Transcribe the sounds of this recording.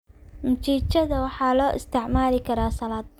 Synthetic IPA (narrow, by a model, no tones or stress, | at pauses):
mʊt͡ʃiːt͡ʃɐðɐwɑħɑːlɔːʔɪ̰st̪ʰɪʕmaːlɪkʰɐɾaːsɐlaːd̪̚